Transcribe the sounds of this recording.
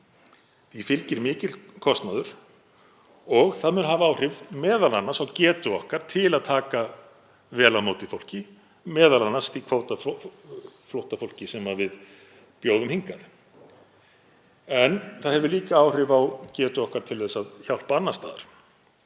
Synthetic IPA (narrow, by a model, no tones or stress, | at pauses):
θifɪlcɪɾmɪːcɪt̪lkʰɔst̪naðʏɾ̥ | ɔɣθaðmʏnhavaaːwr̥ɪvmɛːðalanːasawcɛːt̪ʏɔhkaɾ̥t̪ʰɪlaðt̪ʰaːka | vɛːlamoːwt̪ɪfowl̥cɪ | mɛːðalanːast̪ikʰvoːwt̪a | flowht̪afowl̥cɪsɛmavɪð | pjoːwðʏmhiŋkaθ | ɛnθaðhɛvʏɾliːkaawr̥ɪvawcɛːt̪ʏɔhkaɾ̥t̪ʰɪlθɛsːaðçawl̥paanːast̪aːða̰ɾ̥